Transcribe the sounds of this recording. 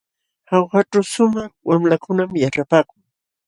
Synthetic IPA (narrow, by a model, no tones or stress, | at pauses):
hawɢaʈ͡ʂawsʊmɑχwamlakʊnamjaʈ͡ʂapaːkʊŋ